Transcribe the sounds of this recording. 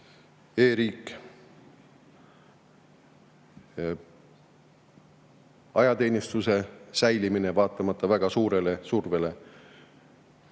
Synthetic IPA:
e̞ːɾiːkːˑ | ɑjɑt̪eːnʲist̪use̞sæjlimine̞vɑːt̪ːˑɑmɑt̪ːˑɑvæɡ̥ɑsuːɾe̞le̞surve̞le̞

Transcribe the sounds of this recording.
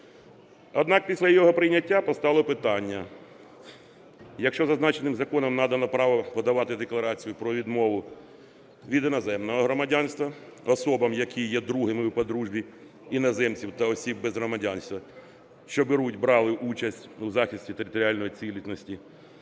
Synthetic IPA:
ɔd̪nɑk̚pʲisʲlʲɐjɔɦɔpɾɪjnʲɐtʲːapɔst̪ɑlˠɔpɪt̪ɑnʲːɐ | jɐkʃt͡ʃɔzɐznɑt͡ʃenɪmzɐkɔnɔmnɑd̪ɐnɔpɾɑʋɐpɔd̪ɐʋɑt̪ɪd̪eklˠɐɾɑt͡sʲijʊpɾɔʋʲid̪mɔʋʊ | ʋʲid̪ɪnɔzɛmnɔɦɔɦɾɔmɐdʲanst̪ʋɐɔsɔbɐmjɐkʲʰijɛd̪ɾuɦɪmɪwpɔd̪ɾuʒbʲi | inɐzɛmt͡sʲiwt̪ɐɔsʲibːezɦɾɔmɐdʲanʲst̪ʋɐ | ʃt͡ʃɔbeɾutʲbɾɑlˠɪʔut͡ʃɐsʲtʲuzɑxʲisʲtʲit̪eɾʲɪt̪ɔɾʲɪalʲnɔjit͡sʲilʲit̪nɔsʲtʲi

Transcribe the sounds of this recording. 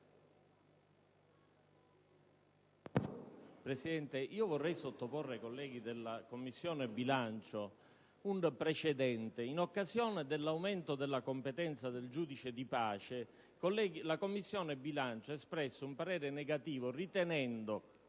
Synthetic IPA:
pɾesid̪ɛnt̪eʔiːovorːɛjsot̪ːoporːeakolːɛːɡ̟id̪elːakomːisːjɔːnebilant͡ʃo | unpɾet͡ʃed̪ɛnt̪einokːazjɔːned̪elːawment̪od̪elːakompet̪ɛnt̪sad̪eld͡ʒuːd̪it͡ʃed̪ipaːt͡ʃe | kolːɛɡilakomːisːjɔːnebilant͡ʃoespɾɛsːoumpaɾɛːɾeneɡat̪iːvorit̪enɛnd̪o

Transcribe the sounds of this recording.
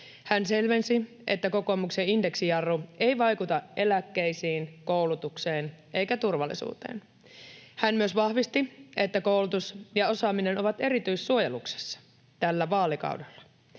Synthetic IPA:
hænse̞lʋe̞nsi | ʔe̞̰t̪ːæko̞ko̞mukse̞inde̞ksijɑrːue̞jʋɑjkut̪ɑe̞lækːe̞jsiːnko̞wlut̪ukseːnʔe̞ijkæt̪urʋɑlːḭsṵːt̪ḛːn | hænmyøsʋɑhʋist̪ie̞t̪ːæko̞ulut̪usjɑo̞sɑːmine̞no̞ʋɑt̪e̞ɾit̪yjssuo̞jelukse̥sːɑ̥ | t̪ælːæʋɑːlikɑ̰uwdelːɑ̥

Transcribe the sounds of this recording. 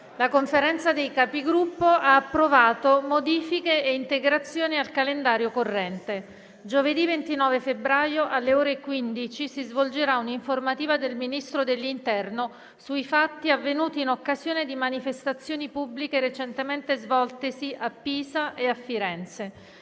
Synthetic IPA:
lakoɱfeɾɛnt̪sad̪ejkapiɡɾupːoʔaːpːɾovaːt̪omod̪iːfikeeint̪eɡɾat̪sːjoːnialkalend̪aːɾjokorːɛnt̪e | d͡ʒoved̪ivent̪inɔːvefebɾaːjoʔalːeoːɾekwind̪it͡ʃisizvold͡ʒeɾauniɱformat̪iːvad̪elminist̪ɾod̪elːint̪ɛrno | suifat̪ːiavːenuːt̪iːnokːazjoːned̪imanifest̪at̪sːjoːnipubːlikeɾet͡ʃent̪ement̪ezvɔlt̪esiʔapːiːzaʔeafːiɾɛnt̪se

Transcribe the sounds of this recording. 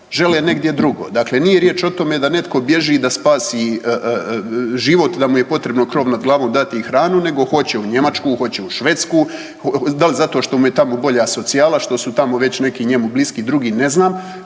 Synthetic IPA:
ʒe̞leːne̞ɡd̪je̞d̪ɾuɡoːd̪akle̞nijeɾjeːt͡ʃo̞t̪o̞med̪ane̞t̪ko̞bje̞ʒid̪aspaːsi | ʒiʋo̞t̪d̪amuje̞po̞t̪ɾebno̞kɾo̞ːʋnad̪ɡlˠaːʋoːmd̪at̪ixɾaːnune̞ɡo̞xo̞t͡ɕeuɲe̞mat͡ʃkuːxo̞t͡ɕeuʃʋeːt̪skuː | d̪alizat̪oʃt̪o̞muje̞t̪amobo̞ʎaːso̞t̪sijaːlaʃt̪o̞sut̪amoʋe̞t͡ɕne̞kiɲe̞mubliskid̪ɾuɡiːne̞znaːm

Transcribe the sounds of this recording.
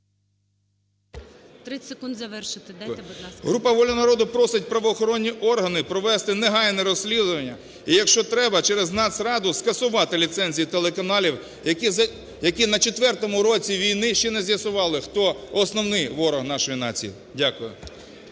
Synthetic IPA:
t̪ɾɪsekund̪zɐʋɛrʃɪt̪ɪɦɾupɐʋɔlʲɔnɐɾɔd̪ʊpɾɔsɪt̚ʲpɾɐʋɔːxɔɾɔnʲːiʔɔrɦɐnɪpɾɔʋɛst̪ɪneɦɑjnɛɾɔsʲlʲid̪ʊʋɐnʲːɐ | ijɐkʃt͡ʃɔt̪ɾɛbɐt͡ʃɛɾeznɑsɾɑd̪ʊskɐsʊʋɑt̪ɪlʲit̪sɛnʲzʲijit̪elˠekɐnɑlʲiw | jɐki | jɐkinɐt͡ʃɔt̪ʋɛrt̪ɔmʊɾɔt͡sʲiʋʲijnɪʃt͡ʃɛnɛzʲjɐsʊʋɑlˠɪxt̪ɔɔsnɔwnɪjʋɔɾɔɦnɑʃɔjinɑt͡sʲḭjḭ | dʲakʊjʊ̰

